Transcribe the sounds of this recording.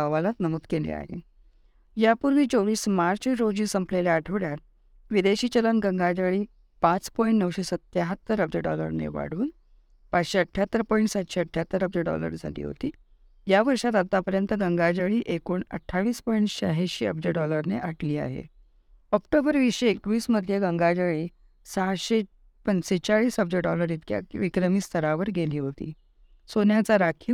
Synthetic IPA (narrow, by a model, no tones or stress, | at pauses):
aʋalat̪nəmuːt̪kelḛa̰ɦḛ | japuɾʋiːt͡soʋiːsmaɾt͡ɕiɾod͡ʑiːsəmpleleaʈʰʋɽjat̪̚ | ʋid̪eɕiːt͡ɕələnɡəŋɡad͡ʑaɭiː | pat͡spɔiɳʈnəʋɕesət̪jaɦət̪ːəɾəb̚d͡ʑeɖɔ̰lə̰ɾnḛʋa̰ɽ̤uːn | pat͡sɕeəʈʰjat̪ːəɾpɔiɳʈsat̪ɕeəʈʰjat̪ːəɾəb̚d͡ʑəɖɔ̰lə̰ɾd͡zʱa̰d̪ḭːɦo̰t̪iː | jaʋəɾɕat̪at̪ːapəɾjənt̪əɡəŋɡad͡ʑaɭiːʔekoɳə̰ʈʰːaʋiːspɔiɳʈɕaɦeɕeə̰b̚d͡ʑeʈɖɔləɾneʔaʈliːa̰ɦḛ | ɔk̚ʈobəɾʋiɕeːk̚ʋiːsməd̪ʱjeɡəŋɡad͡ʑaɭiː | saɽɕe | pənset͡ɕaɭiːsəb̚d͡ʑeʈɖɔləɾit̪kja̰ʋikɾəmiːst̪ʰəɾaʋəɾɡʱeliːɦot̪ḭː | sonjat͡saɾakʰiː